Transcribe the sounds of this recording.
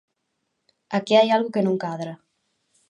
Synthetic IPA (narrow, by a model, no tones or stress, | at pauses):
akiajalɣukenũŋkaðɾa